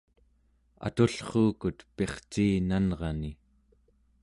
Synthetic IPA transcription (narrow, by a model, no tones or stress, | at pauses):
a̰t̪uɬχuːkut̪pe̞χt͡ʃiːnanʁɑni